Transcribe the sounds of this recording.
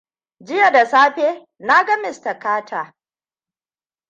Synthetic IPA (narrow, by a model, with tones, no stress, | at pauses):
d͡ʒɪ˦ja˨da˨saː˦ɸeː˦ | na˦ɡa˦mɪ˨sta˨kaː˦tʰaː˨